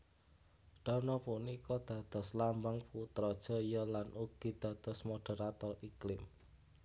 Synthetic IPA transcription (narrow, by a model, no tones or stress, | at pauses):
ɖ̥a̤nɔpunikɔd̪̥ä̤d̪̥ɔ̤slambaŋput̪ɾɔd̥ʒ̥ɔ̤jɔlanʔuɡ̥i̤d̪̥ä̤d̪̥ɔ̤smoɖ̥e̤ɾat̪ɔriklɪm